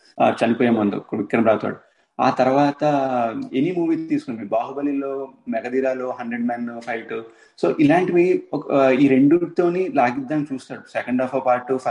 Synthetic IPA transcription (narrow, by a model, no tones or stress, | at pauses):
t͡ʃɐnipoːjeːmund̪ṵkʋikːɾɐnɐmɾaːt̪a̰ːɽu | a̰ːt̪ɐɾɐʋaːt̪ɐenimuːʋiːt̪iːsu̥kund̪ibaːɦubɐlːiloːmɛɡɐd̪iːɾaːloːɦɐɳɖɾeɖmɛnlupʰɐjʈu | so̰ːʔilaːɳʈʋiːkiːɾeɳɖut̪o̞ːnilaːɡid̪ːaːnt͡ʃuːst̪aːɽusɛkɐɳɖɔːfɐpaːɾʈupʰɐ